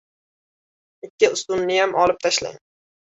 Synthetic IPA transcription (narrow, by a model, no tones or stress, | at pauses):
ɪkʲːɪʊst̪ʊnːɪjamʔɒlɪp̚t̪ʰaʃla̰ŋ